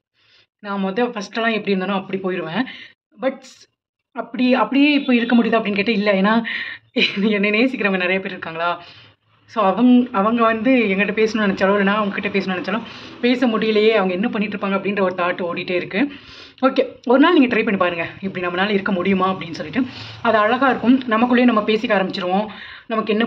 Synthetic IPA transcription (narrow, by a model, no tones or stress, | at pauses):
naːmɐʋɐt̪ːɐfɐsʈːlːãːɛpːɐɽiɾɯnd̪ːnʊ̃ɐpːɐɽipoːjɪɾɯʋẽː | bɐʈ | ɐpːɐɽiɐpːɐɽɪjeːɪpːoːɪɾɯkːɐmʊɽɪjðaːɐpːɐɽinkeːʈːɐɪlːɐeːnːaː | ɛnːɐneːsɪkːɪɾɐʋɐŋɡɐnɪɾɐjɐpeːɾɪɾɯkːaːŋɡɐɭaː | soːɐʋɐŋɐʋɐŋɡɐʋɐnd̪ɯɛŋɡɐɪʈːɐpeːsɐnʊ̃nɛnɐt͡ʃːɐɭɐʋɯlɐnːaːɐʋɐŋɡɐkɪʈːɐpeːsɐnʊ̃nɛnɐt͡ʃːɐːlʊ̃peːsɐmʊɽɪjɪlɐjeːɐʋɐŋɡɐɛnːɐpɐɳːɪʈːɾɯpːaːŋɡɐpːɐɽɪnrɐɔɾɯt̪aːʈːɯoːɽɪʈːeːɪɾɯkːɯ | oːkeːɔɾɯnaːlniːŋɡɐt̪ɪɾɐɪpɐɳːipaːɾɯŋɡɐɪpːɐɽinɐmːɐnaːlɐɪɾɯkːɐmʊɽɪjɯmaːɐpːɐɽɪnːɯsɔlːɪʈːɯɐðɐɐɻɐɣaːɪɾɯkːɯmnɐmɐkːɯɭːeːnɐmːɐpeːsɪkːaːɾɐmbɪt͡ʃːɪɾɯʋõː | nɐmɐkːɯɛnːɐ